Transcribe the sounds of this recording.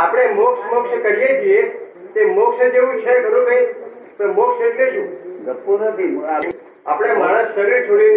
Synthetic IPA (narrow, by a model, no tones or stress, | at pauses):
apəɽ̃emoksmokskəɾijet͡ʃʰije | t̪emokʃed͡ʒeʋũiʃʰakəɾũkəi | pə̃moksed͡ʒleʃũɡətːonət̪ʰi | apɽ̃emaɽ̃ə̃ssəɾiɾt͡ʃʰoɽi